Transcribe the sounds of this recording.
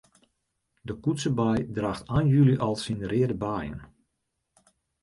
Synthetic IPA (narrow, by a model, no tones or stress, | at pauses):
dəkutsəbajdraːxtaːnjyliʔɑlˠsinərɪədəbaːjə̰n